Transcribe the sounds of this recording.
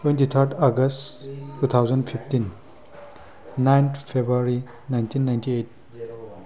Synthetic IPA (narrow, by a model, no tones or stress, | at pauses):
twẽntit̪ʰəɾt̪ʰaɡəstːut̪ʰawzəndpʰiptin | najnt̪ʰpʰebɾuaɾi | najntʰinːajntʰiet̚